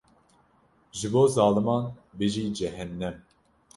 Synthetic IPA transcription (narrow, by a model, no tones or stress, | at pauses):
ʒɨboːzɑːlɨmɑːnbɨʒiːd͡ʒɛɦɛnːɛm